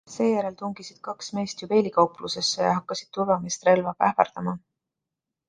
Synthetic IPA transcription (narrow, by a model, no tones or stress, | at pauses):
se̞ːjæɾe̞lt̪uŋɡ̥isid̪̥kɑksme̞ːst̪jupe̞ːlʲikɑwpluse̞sːejɑ̰ɦɑkːɑsid̪̥t̪uvɑmest̪re̞lvɑpæ̰fɑ̰rd̪̥ɑmɑ